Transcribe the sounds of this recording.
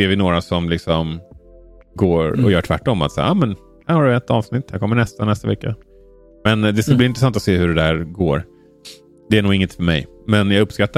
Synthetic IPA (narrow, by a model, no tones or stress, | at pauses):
seːɾvɪnoːɾasɔmlɪksɔm | ɡoːɾɔ̰jœːʈʰvæ̰ʈːɔmːat̪sa̰ːʔɑːmɛn | hæɾhaɖɵɛt̪ːɑːvsnɪt̪ːhæɾkʰɔmːəɳɛst̪anɛst̪avɛkːa | mɛnd̪ɛskalbliɪnt̪ɾɛsant̪ɔseːhɵɖɛd̪æːɾɡoːɾ | d̪ɛæɳuːɡɪŋːət̪fœɾmɛ̰j | mɛnjɑɡɵpskat̪ːa